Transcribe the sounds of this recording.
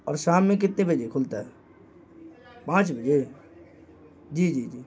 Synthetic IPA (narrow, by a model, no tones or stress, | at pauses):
ɔːɾʃaːmːẽk̬ɪt̪nẽbʱəd͡ʒekʰʊlt̪aɦɛː | pãːt͡ʃbʱəd͡ʒe | d͡ʒiːd͡ʒiːd͡ʒiː